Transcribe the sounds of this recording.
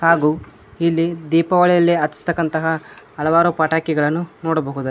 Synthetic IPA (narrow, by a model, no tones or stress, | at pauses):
haːɡuː | ilːid̪iːpɐʋɐɭɛjɐlːiɐt̪ːi̥si̥t̪ɐkːɐnt̪ɐɦɐɐlɐʋaːɾupaʈaːkɛɡɐɭɐnːunoːɽɐbɐɦud̪u